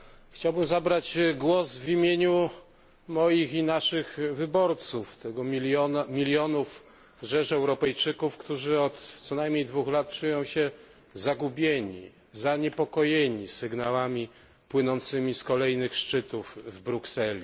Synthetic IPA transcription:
xt͡ɕawbɘmzabɾat͡ɕɡwɔzvimʲjeɲu | mɔjixinaʂɘxvɘbɔɾt̪suft̪ɛɡɔiɔmʲilʲjɔnuf | ʐɛʂɛwɾɔpɛjt͡ʂɘkufkt̪uʐɘɔt̪t̪sɔnajmʲɲejd̪vuxlat̪̚t͡ʂujɔ̃w̃ɕɛ | zaɡubʲjeɲḭ | zaɲɛpɔkɔjeɲisɘɡnawamʲi | pwɘnɔnt̪sɘmʲiskɔlɛjnɘxʂt͡ʂɘt̪uvvbɾuksɛlʲi

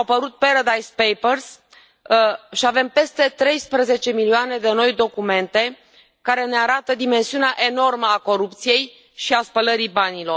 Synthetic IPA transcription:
awpəɾut̪̚peɾad̪ajspejpərs | ʃiave̞mpe̞st̪e̞t̪ɾe̞jspɾəze̞t͡ʃe̞milioane̞d̪e̞no̞jd̪o̞kume̞nt̪e̞ | kaɾe̞ne̞aɾat̪əd̪ime̞nsiuneaʔe̞no̞rməako̞ɾupt̪sije̞j | ʃiaspələɾibanilo̞r

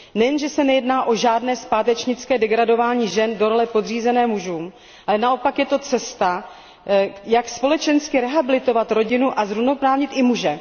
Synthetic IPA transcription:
nɛjɛnʒɛsɛnɛjɛdnaːʔo̞ʒaːdnɛːspaːt̪ɛt͡ʃɲɪt͡skɛːdɛɡɾado̞vaːɲiːʒɛndoɾolɛpo̞dr̝iːzɛnɛːmuʒuːm | ʔalɛnaʔo̞pakjɛt̪o̞t͡sɛst̪a | jakspo̞lɛt͡ʃɛnskɪɾɛɦabɪlɪt̪o̞vat̪ɾo̞ɟɪnuʔazɾuvnopɾaːvɲɪt̪ʔɪmuʒɛ

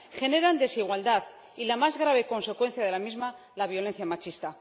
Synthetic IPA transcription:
xe̞ne̞ɾand̪e̞siɣwald̪að | ilamazɣɾaβ̞e̞ko̞nse̞kwe̞n̟θjaðe̞lamizma | laβ̞jo̞le̞nθjamat͡ʃist̪a

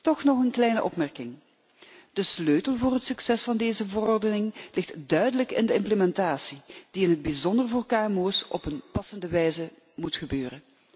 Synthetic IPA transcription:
tɔxnɔχənklɛjnəʔɔpmɛrkɪŋ | d̥əsløɥtəlˠvʊːrɦətsyksɛsfɑndeːzəvərɔrdənɪŋlɪxtdœɥdələkɪ̰ndəɪmpləmɛntaːsid̥iɪnɦəd̚bizɔndərvʊːrkaːɛmoːsɔ̰pənpɑsəndəʋɛjzə | mutxəbøːrən

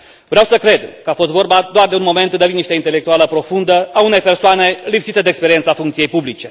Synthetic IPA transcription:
vɾeawsəkɾe̞d̪kəafo̞s̬t̪vo̞rbad̪oard̪e̞unmo̞me̞nt̪d̪aviniʃt̪eint̪e̞lekt̪ualəpɾo̞fund̪əaune̞jpe̞rsoane̞lipsit̪ed̪eːkspeɾiensafuŋkt̪sije̞jpublit͡ʃe̞

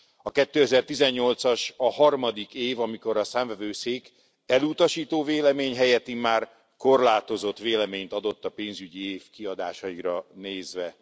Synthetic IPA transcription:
ɒkɛt̪ːøːɛzɛrt̪izɛɲːo̞lt̪sɒʃɒhɒrmɒd̪ikeːvɒmiko̞ɾɒsaːɱvɛvøːseːk | ɛlut̪ɒʃiːt̪oːveːlɛmeːɲɦɛjɛt̪ːimːaːr | ko̞rlaːt̪o̞zo̞t̪ʋeːlɛmeːɲt̪ɒd̪o̞t̪ːɒpeːnzyɟieːfkiɒd̪a̰ːʃɒiɾɒneːzʋɛ

